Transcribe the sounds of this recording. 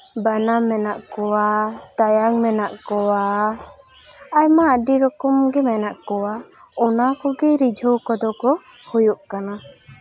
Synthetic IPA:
banamɛnaʔkɔwat̪ajaŋmɛnaʔkɔwa | ajmaɖiɾɔkɔmɡɛmɛnaʔkɔwa | ɔnakɔɡɛɾid͡ʒʱɔwkɔd̪ɔkɔ | hujɔʔkana

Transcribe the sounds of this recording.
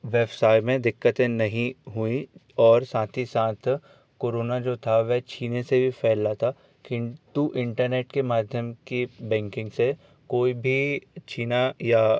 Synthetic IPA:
ʋeːbsaːɪmẽd̪ɪkːət̪ẽnɐɦĩɦuĩ | ɔːɾsãːt̪ʰisãːt̪ʰ | koːɾoːnad͡ʒoːt̪ʰaʋɛɦt͡ʃʰiːnesebʱifʰɛːlːat̪ʰa | kit̪uʔɪ̃ɳʈəɾneːʈkemaːd̪ʱjəmkibɛ̃ːŋkɪ̃ŋɡse | koːibʱit͡ʃʰiːnaja

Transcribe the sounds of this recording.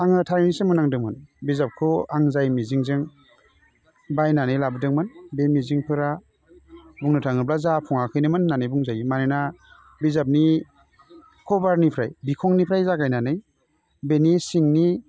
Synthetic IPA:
aŋɯtʰaɾnisemunaŋdɯŋmɯnbizap̚kʰɯaŋzajmiziŋzɯŋ | bajnanɯjlabɯdɯŋmɯnbemiziŋpʰɯɾa | buŋnɯtʰaŋɯblazapʰɔŋakʰɯjnɯmɯnːanɯjbuŋzajmanɯna | bizap̚ni | kʰɔbaɾnipʰɾajbikʰɔŋnipʰɾajzaɡajnanɯj | benisiŋni

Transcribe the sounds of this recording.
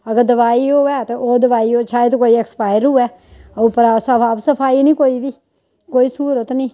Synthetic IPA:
əɡəɾd̪əʋaːiːoːɛːt̪eʔoːd̪əʋaːioːt͡ʃʰaːet̪̬okoːiɛkspaːɪɾɦuːɛː | opəɾaːsəbaːbsəpʰaːinĩːkoːiʋiː | koːiːsuːɾət̪nĩː

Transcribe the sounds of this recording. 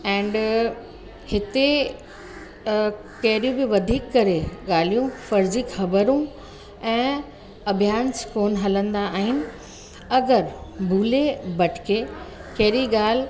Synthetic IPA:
ɛ̃ːɳɖ | hɪt̪e | kɐɦɾjũbɪʋɐd̪ʱiːkːɐɾeɠaːl̤ijũfɐɾd͡ʑɪkxɐbəɾũ | ɛ̃ː | ɐbʱijaːnskoːnɦɐlə̃nd̪aːɦɪnɪ̆ | ɐɡəɾbʱuːlebɐʈʰkʰekɐɦɪɾiɠaːl̤

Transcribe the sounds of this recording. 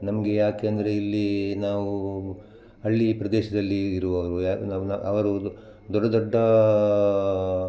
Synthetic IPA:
nɐmɐɡe̞jaːkeɐnd̪ɐɾe̞ilːinaːʋu | ɐɭːipɾɐd̪ɛːʃɐd̪ɐlːiːɾuʋɐʋɐɾuanaːnaɐ̰ʋɐɾu | d̪ɔɖːɐd̪ɔɖːɐ

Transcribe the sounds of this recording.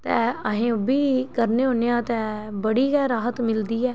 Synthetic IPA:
t̪ɛːəɦẽːobiːkəɾneːɦoːneːãːt̪ɛːbəɽiːɡɛːɾaːɦət̪mɪld̪iːɛː

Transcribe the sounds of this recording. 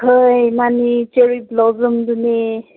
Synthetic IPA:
həjmanit͡ʃeɹiblɔzumdune

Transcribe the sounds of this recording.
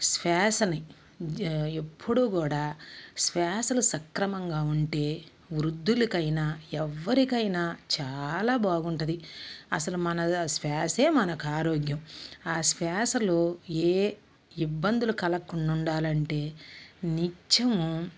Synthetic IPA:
sʋɛːsɐni | epʰːuɽuːkuːɽaːsʋaːsɐlusɐkɾɐmɐŋɡaːuɳʈe̞ː | ʋɾud̪ːulikɐjnaːɛʋːɐɾikɐjnaːt͡ʃaːlaːbaːɡuɳʈɐd̪iɐsɐlumɐnɐsʋaːse̞ːmɐnɐkaːɾoːɡjɐmaːsʋaːsɐloːeː | ibːɐnd̪ulukɐlɐkːuɳːuɳɖaːlɐɳʈe̞ːnit͡ʃːɐmu

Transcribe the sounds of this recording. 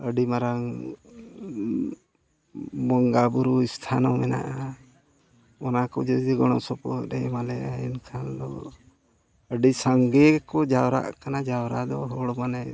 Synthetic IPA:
əɖimaɾaŋ | mɔŋɡabuɾuist̪ʰanɔmɛna̰ʔa | ɔnakɔd͡ʒəd͡ʒiɡɔɽ̃ɔsɔpɔɾɛmalɛaɛnkʰand̪ɔ | əɖisaŋɡɛkɔd͡ʒawɾa̰ʔkanad͡ʒawɾad̪ɔɦɔɽɔmanɛ

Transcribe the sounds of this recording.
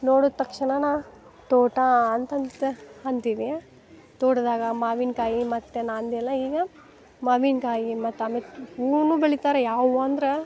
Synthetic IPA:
noːɽut̪ːɐkʂɐɳɐna | t̪oːʈaːnt̪ɐnt̪ːɐnt̪iːʋia | t̪oːʈd̪aːɡɐmaːʋinkaːjimɐt̪ːenaːnd̪iɛlːɐiːɡɐ | maːʋinkaːjimɐt̪ːeaːmeuːnubeɭit̪aːɾejaːʋuɐnd̪ɾe

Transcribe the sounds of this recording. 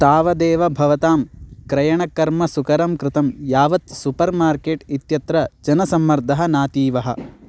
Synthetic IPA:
t̪aːʋɐd̪eːʋɐbʱɐʋɐt̪aːmkɾɐjɐɳɐkɐɾmɐsukɐɾɐmkɾɪt̪ɐmjaːʋɐt̪supɐɾmaːɾkeːʈit̪jɐt̪ɾɐd͡ʒɐnɐsɐmːɐɾd̪ʱɐɦɐnaːt̪iːʋɐɦɐ̆

